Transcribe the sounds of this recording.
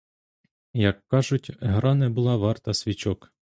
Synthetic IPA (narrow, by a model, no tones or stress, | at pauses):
jɐkːɑʒʊtʲɦɾɑnɛbʊlˠɑʋɑrt̪ɐsʲʋʲit͡ʃɔk